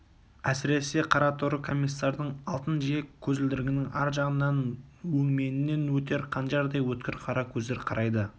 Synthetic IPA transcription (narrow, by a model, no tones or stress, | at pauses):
æsɪɾe̞se̞qʰɑɾɑt̪ʰʊɾəkʰo̞mʲːijsːɑɾd̪əɴɑlˠt̪ənʒiekʲʰːɵzɪld̪ɪɾɪɡʲɪnɪŋɑɾʒɑʁənːɑnwɵŋme̞nɪnːe̞nwɵt̪e̞ɾqʰɑnʃɑɾd̪ɑjwɵt̪̚kʲɪɾqʰɑɾɑkʲʰɵzd̪eɾqʰɑɾʔɑjd̪ə